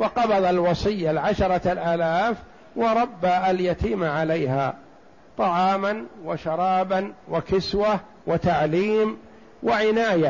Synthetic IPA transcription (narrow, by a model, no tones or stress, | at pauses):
wɑqɑbɑðˤɑlwɑsˤɨjːalʕaʃɑɾˤɑlʔaːlaːf | wɑɾˤɑbːaaljat̪iːmʕalajha̰ː | t̪ˤɑʕɑːmanwaʃɑɾˤɑːbanwɪkɪswa | wɪt̪aʕliːm | wɪʕɪnaːja